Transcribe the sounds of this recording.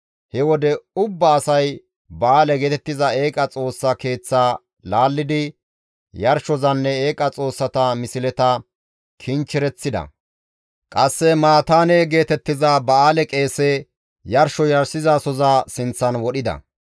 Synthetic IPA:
hɛwɔd̪ɛʊbːɐːsɐj | bɐʔaːlɛɡeːt̪ɛt̪ːɪzɐe̞ːkʼɐt͡sʼo̞ːsːɐke̞ːt͡sːaː | laːlːɪd̪ɪ | jɐɾʃɔzɐnːɛeːkʼɐt͡sʼo̞ːsːɐt̪ɐmɪsɪlɛt̪ɐ | kʰɪnt͡ʃːɪɾɛt͡sːɪd̪ɐ̰ | kʼɐsːɛmaːt̪aːneɡe̞ːt̪ɛt̪ːɪzɐbɐaːlɛkʼe̞ːsɛ | jɐɾʃɔjɐɾsɪzaːsɔzaːsɪnt͡sːɐnwɔɗɪd̪ɐ̰

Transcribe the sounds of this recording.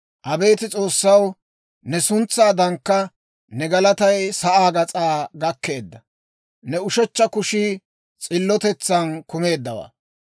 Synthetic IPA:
ʔɐbe̞ːt̪ɪt͡sʼo̞ːsːɐw | nɛsʊnt͡sːaːd̪ɐŋkːɐ | nɛɡɐlɐt̪ɐjsɐʔaːɡɐt͡sʼaːɡɐkːe̞ːd̪ːɐ | nɛʊʃɔt͡ʃːɐkʊʃɪ | t͡sʼɪlːɔt̪ɛt͡sːɐnkʊme̞ːd̪ːɐwa̰ː

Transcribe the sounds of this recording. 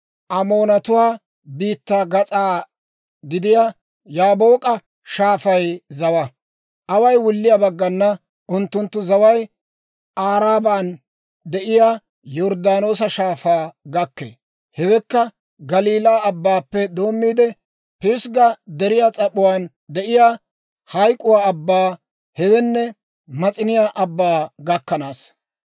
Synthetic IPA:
ʔɐmo̞ːnɐt̪ʊwaː | biːt̪ːaːɡɐt͡sʼaː | ɡɪd̪ɪja | jaːbo̞ːkʼɐ | ʃaːfɐjzɐwɐ | ʔɐwɐjwʊlːɪjabɐɡːɐnːɐ | ʔʊnt̪ːʊnt̪ːʊzɐwɐj | ʔaːɾaːbaːn | d̪ɛʔɪjaː | jɔɾd̪aːno̞ːsɐʃaːfaːɡɐkːḛː | hɛwɛkːɐ | ɡɐliːlaːɐbːaːpːɛd̪o̞ːmːiːd̪ɛ | pɪsɡɐd̪ɛɾɪjaːt͡sʼɐɓʊwaːn | d̪ɛʔɪjaː | hɐjkʼʊwaːɐbːaː | hɛwɛnːɛ | mɐt͡sʼɪnɪjaːʔɐbːaːɡɐkːɐnaːs

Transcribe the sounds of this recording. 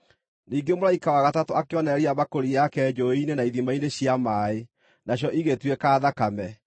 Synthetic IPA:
niːŋɡemolaikawaɣatatoakeɔnɛɾiaβakoɾijakɛd͡ʒoinenaiðimaineɕjamaːe | naɕ̬jɔʔiɣetwɛkaːðakamɛ

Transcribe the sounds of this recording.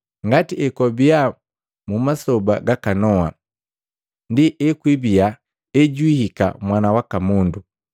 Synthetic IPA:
ŋɡatiɛkɔbia | mumasɔbaɡakanɔwa | ndiʔɛkwibia | ɛɟwihika̰mwanawakamundu

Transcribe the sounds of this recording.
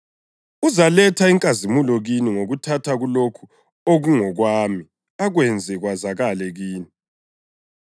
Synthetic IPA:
uzalɛtʰaiŋkʼazimulɔɣiniŋoɣutʰatʰaɣulokʰu | oɣuŋɔɣwaːmi | aɣwɛnd͡zʱɛɣwazaɣalɛɣiːni

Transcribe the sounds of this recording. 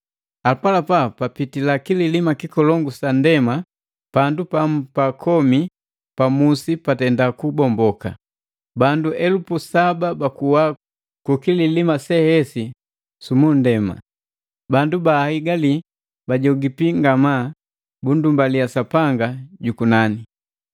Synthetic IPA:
apalapapapitilakililimakikɔlɔŋɡusandɛma | pandupapakʰɔmi | pamusipatɛndakubɔmbɔka̰ | banduʔɛlupusababakuwa | kukililimasɛhɛsi | sumundɛma̰ | bandubahiɡali | baɟɔɡipiŋɡama | bundumbalijasapaŋɡaɟukunani

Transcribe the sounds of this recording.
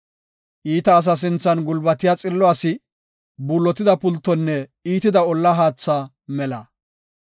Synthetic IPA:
ʔiːt̪ɐːs̬ɐs̬ɪnt͡sːɐnɡʊlbɐt̪ɪjaːt͡sʼɪlːɔasɪ | buːlːɔt̪ɪd̪ɐpʊlt̪ːɔnːɛiːt̪ɪd̪ɐɔlːɐɦaːt͡sːa | mɛlɐ

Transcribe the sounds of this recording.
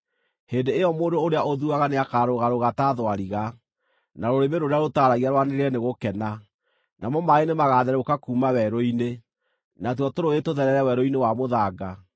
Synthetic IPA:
heːndeːjɔmoːndooɾeaoðuaɣaneakaːɾoɣaɾoɣataðwaɾiɣa | naɾoɾemeɾoɾeaɾotaːɾaɣiaɾwaneɾeɾɛneɣokɛna | namɔmaenemaɣaːðɛɾɛokakuːmawɛɾoine | natwɔtoɾoetoðɛɾɛɾɛwɛɾoinewamoðaɡa

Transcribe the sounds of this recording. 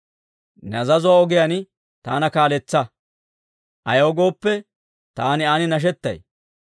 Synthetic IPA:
nɐzɐzʊwaɔɡɪjan | t̪aːnɐkaːlɛt͡sːɐ | ʔɐjoːɡo̞ːpːɛ | t̪aːnɪaːnɪnɐʃ̬ɛt̪ːɐ̰j

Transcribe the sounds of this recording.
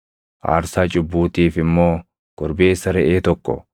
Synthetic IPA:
ʔa̰ːɾsaːt͡ʃʼʊbːuːt̪iːfɪmːo̞ː | ɡ̥ɔɾbe̞ːsːɐɾɛʔeːt̪ɔkːɔ̰

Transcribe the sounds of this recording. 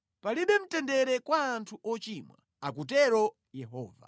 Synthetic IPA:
paliɓɛm̩tɛndɛɾɛkwaːntʰuʔɔt͡ʃimwa̰ | akut̬ɛɾɔ | jɛɦɔ̰ːva̰

